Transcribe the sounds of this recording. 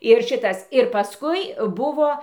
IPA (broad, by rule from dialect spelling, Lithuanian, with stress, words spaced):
ɪr ˈʃʲɪtɐs ɪr pɐˈskʊɪ ˈbʊʋoː